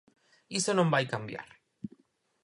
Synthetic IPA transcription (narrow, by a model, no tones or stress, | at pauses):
isonõmbajkambja̰ɾ